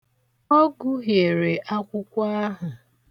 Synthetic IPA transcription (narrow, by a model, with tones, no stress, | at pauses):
o˦ɡu˦ɦje˨ɾe˨ʔa˦kʷʊ˦kʷa˦ɦa˨